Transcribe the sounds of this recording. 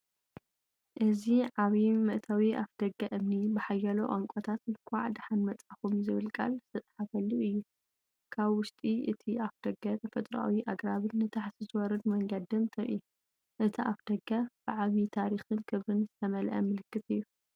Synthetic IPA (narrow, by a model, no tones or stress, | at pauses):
ʔɨziʕaβimɨʔt̪ʰawiʔafd̪̥ɐɡːɐʔɨmnibɨħajɐlo̰ʔaŋkʷʼot̪ʰat̪nkʰwaʕd̪ħanmɐt͡sʼaxumzɨβɨlkʼa̰lzɨ̥t̪ʰɐt͡s̪ʼħafɐlːuʔɨjːu | kʰaβwʊʃt̪ʼiɨ̰t̪ʰiʔafd̪̥ɐɡɐt̪ʰɐfɐt̪ʼɾa̰wiʔaɡɾaβɨnːɨt̪ʰaħt̪ʰizɨwɔɾɐd̪mɐŋɡɐd̪ɨmt̪ʰɐɾʔḭ | ʔɨt̪ʰiʔafd̪̥ɐɡab̥ɨʕaβit̪ʰaɾixɨnkʰɨβɾɨnzɨt̪ʰɐmɐlʔɐ̰mɨlɨkːɨt̪ɨjːu